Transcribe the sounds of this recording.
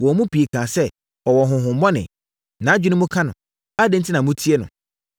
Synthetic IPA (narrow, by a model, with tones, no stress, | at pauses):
wɔ˨˦mũ˦pʰi˨e˨kʰã˨sɛ˦ | ɔ˨wɔ˨ɦʊ̃˨ɦʊ̃˨m̩˨˦ɔ˦nɪ̰̃˨ | nã˨˦d͡ʑᶣu˦nʊ̃˦mʊ̃˦kʰã˦nʊ̰̃˨ | a˦dɪ̃˦n̩˦tʰɪ˦nã˨mũ˦tʰi˦ɛ˦nʊ̰̃˨